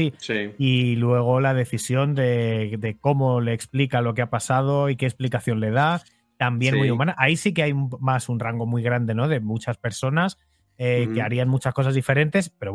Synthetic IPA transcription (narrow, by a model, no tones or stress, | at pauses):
iilwe̞ɣ̞o̞lað̞e̞θisjo̞nd̪e̞d̪e̞ko̞mo̞le̞ːksplikalo̞keapasað̞o̞ikesplikaθjo̞nle̞ð̞a | t̪ambje̞nmujumãnaʔaisike̞ajmasunraŋɡo̞mwijɣ̞ɾand̪e̞no̞ðe̞mut͡ʃaspe̞ɾso̞nas | eke̞aɾianmut͡ʃasko̞s̬azðife̞ɾe̞nt̪e̞spe̞ɾo